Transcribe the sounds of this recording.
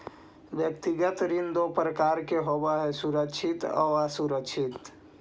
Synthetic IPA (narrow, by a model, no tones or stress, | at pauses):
ʋjəkt̪iɡət̪ɾɪnd̪opɾəkaːɾkeɦobaɦɛsuɾəkʃʰɪt̪ɔ̰asuɾəkʃʰɪt̪